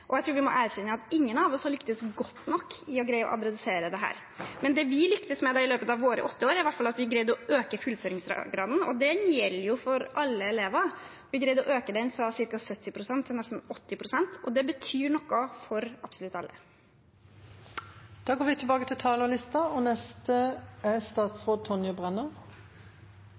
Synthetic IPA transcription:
ʔɔjæɪt̪ʰɾuːɾʋɪmɔ̰ʔæɾçɛnːəɑt̪ɪŋːənɑʋɔshɑlʏkt̪əsɡɔt̪ːnɔkːɪɔɡɾæɪəɔ̰ʔɑ̰d̪ɾɛd̪ɪseːɾəd̪ɛɦæ̰ːɾ | mɛnd̪ɛʋɪlʏkt̪əsmɛd̪ɑːɪløːpət̪ɑʋːoːɾə̰ʔɔt̪ːəoːɾæɾɪʋæʈfɑlɑt̪ʋɪɡɾæɪd̪ɔʔøːkəfʉlføːɾɪŋsɾɑ̰ɡɾɑːd̪n̩ɔ̰d̪ɛjɛlːəjʊfɔɾʔɑlːəɛleːʋɑɾ | ʋɪɡɾæɪd̪ɔʔøːkəd̪ɛnfɾɑsɪɾkɑsœt̪ːɪpʰɾʊsɛnt̪ʰːɪlnɛst̪n̩ɔt̪ːɪpʰɾʊsɛnt̪ʰɔd̪ɛbət̪ʰyːɳɔkːɑfɔɾɑb̥sʊlʉt̪ːɑlːʔə̰ | d̪̥ɑːɡoːʋɪt̪ʰɪlbɑːɡət̪ʰɪlt̪ʰɑːləlɪst̪ɑɔnɛst̪əæst̪ɑːt̪sʁoːd̪̚t̪ʰɔnjʊbʁɛnəʁ

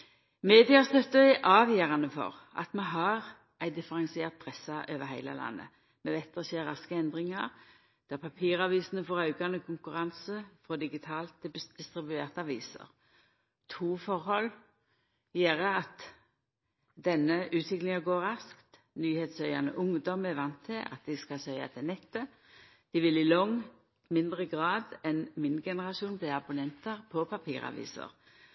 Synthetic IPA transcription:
meːd̪ɪɑst̪œt̪ːəɪʔɑːʋjeːʁɑnəfɔ̰ʁ | ʔɑ̰t̪mɛɦɑʁ | ʔæɪd̪ɪfəɾɛnsɪeːʁt̪̚pʰʁɛsɑʔøːʋəɾhæɪlə̰lɑ̰nːə̰ | mɛʋɛt̪ːəseːʁɑskəɛnd̪ʁɪŋɑʁ | d̪̥æʁpʰɑpʰiːʁɑʋiːsən̩əfɔːʁɑʉkɑnəkʰʊŋkʉʁɑnsəfɾɔd̪ɪɡɪt̪ʰɑːlt̪ːɪd̪̥ɪst̪ʁɪbʉeːʁt̪əɑʋiːsə̰ʁ | t̪ʰuːfɔʁhɔl | jeːɾəɑt̪ | d̪ɛnəʉːt̪ʋɪklɪŋɑɡoːʁɑskt̪ | nyːheːt̪sœʏɑnə̰ʔʊŋd̪ɔmæʋɑnt̪ʰːɪlʔɑ̰t̪̚d̪ɪskɑsœʏɑ̰t̪ʰɪnɛt̪ːə | d̪̥ɪʋɪlɪlɔŋ | mɪnd̪ʁəɡʁɑːd̪ɛnmɪnɡɛnəʁɑʃuːnbliːɑbʊnɛnt̪əʁpʰɔpʰɑpʰiːʁɑ̰ʋḭːsə̰ʁ

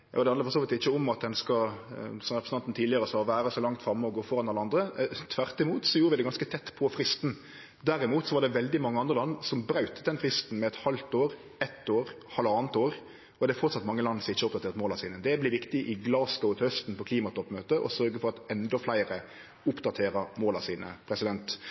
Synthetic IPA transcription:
jɑ̰ːd̪ɛhɑnəfɔsoːʋɪt̪ɪçːəɔmɑt̪̚d̪ɛnskɑsɔmɾɛpʰəsn̩ɑnt̪nt̪ʰiːlɪəɾəsɑʋæːɾəsɔlɑŋt̪fɾɑmːəɔɡoːfɔɾɑnɑləɑnd̪ɾət̪ʰʋæʁt̪ɪmuːt̪sɔjuːɾəʋɪd̪ɛɡɑnskət̪ʰɛt̪ːpʰɔfɾɪst̪n̩ | d̪æɾɪmuːt̪sɔʋɑd̪ɛʋɛld̪ɪmɑŋːəɑnd̪ɾəlɑnːsɔmbɾɑʉt̪əd̪ɛnfɾɪst̪n̩mɛɛt̪hɑlt̪oːɾ | ɛt̪ːoːɾ | hɑlːəɑːnt̪oːɾ | ɔd̪ɛæfɔɾt̪sɑt̪mɑŋːəlɑnːsɪçːəʊp̚d̪ɑt̪ʰeːʁt̪moːlɑsiːnəd̪ɛblɪʋɪkt̪ɪʔɪɡlɑːsɡɔt̪hœst̪n̩pʰɔkʰliːmɑt̪ʰɔpːmøːt̪əʔɔ̰sœɾɡəfɔɾɑt̪ɛnd̪ɔflæɪɾə | ʊpd̪ɑt̪ʰeːɾəmoːlɑsiːnə̰pʰɾɛsɪd̪ɛnt̪

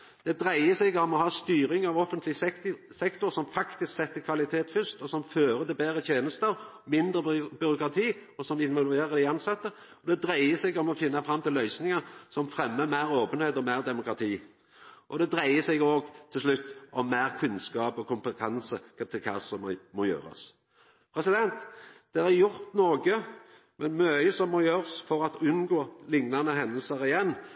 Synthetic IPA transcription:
d̪̥ɛd̪ɾæɪəsɛɡɔmɔhɑːst̪yːɾɪŋɑʋɔfːənt̪lɪsɛkt̪ʊɾsɔmfɑkt̪ɪsksɛt̪ːəkʰʋɑlɪt̪ʰeːt̪fʏst̪ɔsɔmføːɾəd̪ɛbeːɾət̪ʰjeːnəst̪əɑʋ | mɪnd̪ɾəbʏɾʊkɾɑt̪ʰiːɔsɔmɪnʋɔlʋeːɾəɾd̪æɪɑnsɑt̪ːə | ɔd̪ɛd̪ɾæɪəsɛɡɔmɔfɪnːɑfɾɑmːt̪ʰɪlœʏsnɪŋəsɔmfɾɛmːəmæɪɾoːpənheːd̪ɔmæɪʁd̪ɛmʊkɾɑt̪ʰiː | ʔɔd̪ɛd̪ɾæɪəsɛɡoːɡt̪ʰɪlʂlʉt̪ːʔɔmːæɪʁkʰʉnskɑːpɔkʰʊmpət̪ʰɛnsət̪ʰɪlkʰɑ̰ːsɔmmɔjø̰ːɾɑ̰s | pʰɾɛsɪd̪ɛnt̪d̪̥ɛɾæɾjʊɾt̪noːɡə | mɛnmœəsɔmːɔjøːɾsfɔɾɑt̪ʉnɡoːlɪŋnɑnəɦɛnəlsəɾɪjɛnː

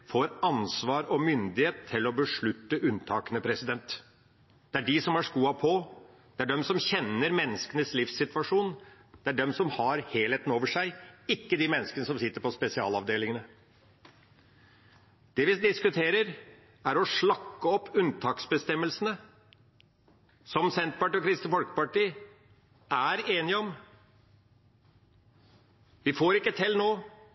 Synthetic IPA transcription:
foːɾɑnsʋɑːɾɔmʏnd̪ɪheːt̪ʰːɪlːɔbəʂɭʉt̪ːəʔʉnt̪ʰɑːkənəpʰɾɛsɪd̪ɛnt̪ | d̪̥ɛæɖɪsɔmhɑʂkuːɑpʰɔ | d̪̥ɛæɖɛmsɔmçɛnːəɾmɛnːəskənəslɪfsɪt̪ʋɑʂuːn | d̪̥ɛæɖɛmsɔmhɑɾheːlheːt̪n̩oːʋəʂæɪɪkːəd̪ɪmɛnːəskənəsɔmsɪt̪ːəɾpʰɔspɛsɪɑːlɑʋd̪eːlɪŋənə | d̪̥ɛʋɪd̪ɪskʉt̪ʰeːɾəɾ | æɾɔʂɭɑkːəɔpːʉnt̪ʰɑːksbəst̪ɛmːəlsənə | sɔmsɛnt̪̚pɑʈiːɔkʰɾɪst̪əfɔlkə̥pɑʈiː | æɾeːnɪəɔm | ʋɪfoːɾɪkːət̪ʰɛlnoː

